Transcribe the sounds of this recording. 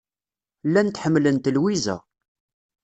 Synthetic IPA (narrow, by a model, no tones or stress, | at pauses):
lːænt̪ħəmːlənt̪lwizæ̰